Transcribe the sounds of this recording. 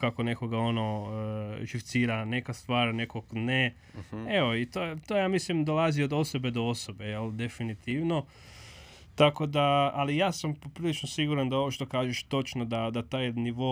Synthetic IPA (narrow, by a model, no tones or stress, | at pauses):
kako̞ne̞ko̞ɡao̞no̞ | ʒift̪siːɾane̞kast̪ʋaːɾne̞koɡne | eʋoit̪ojet̪ojaːmislimd̪o̞laziod̪o̞so̞be̞d̪oo̞so̞be̞jeld̪e̞finit̪iʋno̞ | t̪ako̞d̪aːlijaːsampopɾiːlit͡ʃnosiɡuɾand̪ao̞ʋoʃt̪o̞kaːʒeʃt̪o̞t͡ʃno̞d̪ad̪at̪aːjniʋo̞